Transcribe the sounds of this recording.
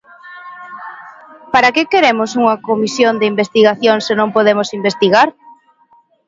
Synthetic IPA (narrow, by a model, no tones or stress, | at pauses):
paɾakekeɾemʊsuŋɐkomisjond̪ɪimbest̪iɣaθjoŋsenõŋpoðemosimbest̪iɣaɾ